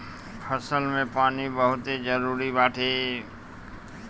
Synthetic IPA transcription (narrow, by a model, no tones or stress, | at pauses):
pʰəsəlmẽpaːnibəɦʊt̪ed͡ʒəɾuɾibaːʈʰe